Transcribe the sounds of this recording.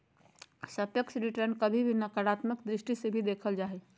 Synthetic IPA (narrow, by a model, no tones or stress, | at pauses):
səpjəkʃɾiʈəɾnkəbʱibʱinəkəɾat̪məkd̪ɾɪʃʈisebʱid̪eːkʰəld͡ʒaːɦɛ